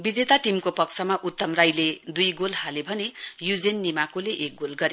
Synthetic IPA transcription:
bid͡zet̪aʈimkopʌksʰʌmaʔut̪ːʌmrajled̪ujɡolhalebʱʌnejud͡zenːimakoleʔek̚ɡolɡʌɾe

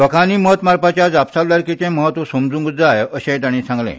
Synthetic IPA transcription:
t̪əkʰaniːməɦət̪maɾpat͡ɕjad͡zapsaʋlaɾkit͡sẽməɦət̪ʋəsəmd͡zũŋɡd͡zajəɕẽt̪aɽ̃ĩːsãŋɡlḛ̃

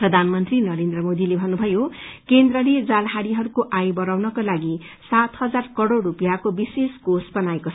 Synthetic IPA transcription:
prʌd̪ʱanmʌnt̪rinʌɾend̪rʌmod̪ilebʱʌnubʱʌjokend̪rʌled͡zalɦaɽiɦʌɾukoʔajbʌɾawnʌkolaɡi | sat̪hʌd͡zarkʌɽoɽːupijakobiseskosbʌnaekot͡sʰ

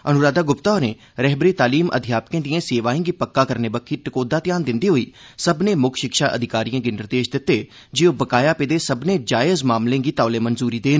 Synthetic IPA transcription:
ənʊɾaːd̪aːɡʊpt̪aːneː | ɾɛɦbəɾiːt̪aːliːmʔə̰d̪ʱɪjaːp̚kẽːd̪iãːseːʋaːẽːɡiːpəkːaːkəɾneːbəkʰːiːʈɪkoːd̪aːt̪ɪjaːnd̪ɪnd̪iːɦoːiːsəbneːmʊkʰʃɪkʃaːʔə̰d̪ʱɪkaːɾijãːɡinɪɾd̪eːʃd̪ɪt̪ːeː | d͡ʒɪõːbəkaːjaːpeːd̪eːsəbneːd͡ʒaːɪzmaːmlẽːɡiːt̪aːleːmənzuːɾiːd̪eːnː

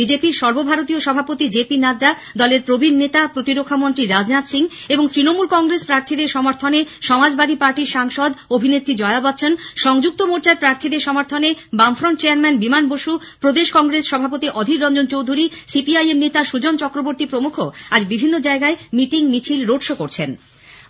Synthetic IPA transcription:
bid͡ʑepiɾʃɔɾbobʱaɾot̪̬ioʃɔbʱapot̪id͡ʑepinad̪a | d̪ɔleɾpɾobʱinːet̪apɾot̪iɾokʰːamont̪ɾiɾad͡ʑnat̪siŋeboŋt̪ɾinomulkɔŋɡɾespɾaɾt̪ʰid̪eɾʃɔmaɾt̪ʰoneʃɔmad͡ʑbad̪ʱipaɾʈiɾʃaŋʃɔd̪obʱinet̪ːɾid͡ʑɔeabat̪ːɕʰonʃɔŋd͡ʑuk̚t̪omoɾt͡ɕaɾpɾaɾt̪ʰid̪eɾʃɔmaɾt̪ʰonebamfɾonɳʈt͡ɕeaɾmɛnbimanboʃu | pɾod̪eʃkɔŋɡɾesʃɔbʱapot̪iʔɔd̪ʱiɾɾɔnd͡ʑont͡ɕowd̪ʱuɾisipiajemnet̪aʃud͡ʑont͡ɕɔkɾoboɾt̪ipɾomukʰoad͡ʑbibʱinːod͡ʑaeɡaemiʈiŋmit͡ɕʰilɾoʈʃokoɾt͡ɕʰen

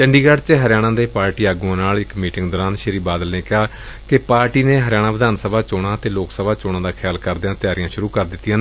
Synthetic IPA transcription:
t͡ʃəɳɖiːɡaɖt͡ʃəɦəɾɪjaːɽ̃ãːd̪eːpaːɾʈiːaːɡũãːnaːlɪkmiːʈɪŋɡd̪oːɾaːnʃɪɾiːbaːd̪əlneːkɪaː | kɪpaːɾʈiːneːɦəɾɪjaːɽ̃ãːʋəd̪aːnsəbaːt͡ʃoːɽ̃aːət̪eːloːksəbʱaːt͡ʃoːɽãːd̪aːkʰjaːlkəɾd̪ɪjãːt̪ɪjaːɾɪjãːʃʊɾuːkəɾd̪ɪt̪ːijãːn

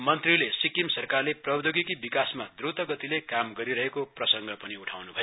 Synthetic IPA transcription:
mʌnt̪rilesikimsʌrkarleprʌbd̪oɡikibikasmad̪rut̪ʌɡʌt̪ilekamɡʌɾiɾʌɦekoprʌsʌŋɡʌpʌniuʈʰawnubʱʌjo

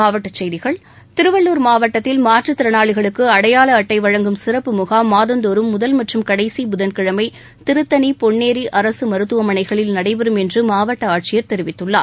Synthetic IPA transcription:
aːʋɐʈːɐt͡ʃːɐjðɪɣɐɭ | t̪ɪɾɯʋɐɭːuːɾmaːʋɐʈːɐt̪ːɪlmaːʈrɯt̪ɪɾɐnaːɭɪɣɐɭɯkːɯɐɽɐjaːɭɐːʈːɐɪʋɐɻɐŋɡɯmsɪɾɐpːɯmɯɣaːmaːðɐnd̪oɾɯmːʊðɐlmɐʈrɯmkɐɽɐɪsibʊðɐnkɪɻɐmɐɪ | t̪ɪɾɯt̪ːɐnipɔɳːeːɾiʔɐɾɐsɯmɐɾɯt̪ːɯʋɐmɐnɐɪɣɐɭɪlnɐɽɐɪʋɛɾɯmɛndrɯmaːʋɐʈːɐaːʈ̚t͡ʃɪjɐɾt̪ɛɾɪʋɪt̪ːɯɭːa̰ː

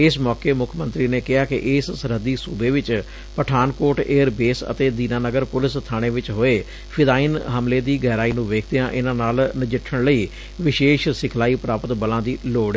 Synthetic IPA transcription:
ɪsmɔːkeːmʊkʰmə̃nt̪ɾiːneːkɪɦaːkɪ̰ʔɪssəɾɦəd̪iːsuːbeːʋɪt͡ʃ | pəʈʰaːnkoːɾʈeːəɾbeːsə̰t̪eːd̪iːnaːnəɡəɾpʊlɪst̪ʰaːɽ̃eːʋɪt͡ʃɦoːeː | pʰɪd̪aːinɦəmleːd̪iːɡɛːɾaːiːnũːʋeːkʰd̪ejãːʔɪnãːnaːlnɪd͡ʒɪʈʰːəɽləiː | ʋɪʃeːʃsɪkʰlaːiːpɾaːpət̪bəlãːd̪iːloːɽ

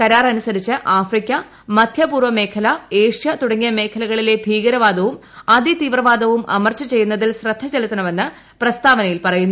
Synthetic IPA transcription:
kɐɾaːrɐnusɐɾit͡ɕːɨʔaːfrikʲːɐ | mɐd̪ʱjɐpuːrʋɐme̞ːkʰɐlɐeːʂjɐt̪uɽɐŋːijɐme̞ːkʰɐlɐɣɐɭile̞bʱiːɡɐɾɐʋaːd̪ɐʋumɐd̪it̪iːʋrɐʋaːd̪ɐʋumʔɐ̰mɐrt͡ɕɐt͡ɕe̞jːunːɐðilsrɐd̪ʱːɐt͡ɕelut̪ːɐnɐme̞nːɨ | prɐst̪aːʋɐnɐjilpɐrɐjunːu

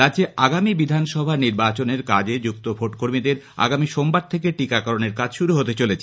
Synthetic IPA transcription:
ɾadd͡ʑeʔaɡamibid̪ʱanʃɔbʱaniɾbat͡ɕoneɾkad͡ʑed͡ʑuk̚t̪obʱoʈkoɾmid̪eɾ | a̰ɡamiʃombaɾt̪ʰek̬eʈikakɔɾoneɾkad͡ʑʃuɾuɦot̪et͡ɕolet͡ɕʰe

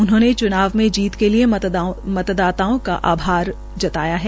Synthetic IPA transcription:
ʊnɦõːnet͡ʃʊnaːʋmẽd͡ʒiːt̪keliemɐt̪d̪aːt̪aːõka̰ʔaːbʱaːɾ | d͡ʒɐt̪aːjaɦɛː

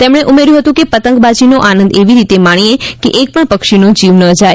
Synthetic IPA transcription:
t̪emɽ̃eʔumeɾjũɦət̪ũkepət̪əŋkbad͡ʒinoʔanə̃nd̪eʋiɾit̪emaɽ̃iekeʔek̚pəɳpəkʃinod͡ʒiʋnəd͡ʒae

